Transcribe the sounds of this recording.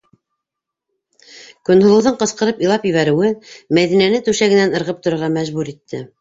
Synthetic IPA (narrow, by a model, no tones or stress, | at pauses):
kɵ̆nhŏlˠɤ̆wðɤɴqɤ̆sqɤ̆ɾɤpijlˠɑpjɘ̆βæɾɘ̆wɘmæðinænɘt̪ʉʃæɡɘ̆nænɤ̆ɾʁɤp̚t̪ŏɾɤ̆ɾʁɑmæʒβuɾit̪ːɘ̰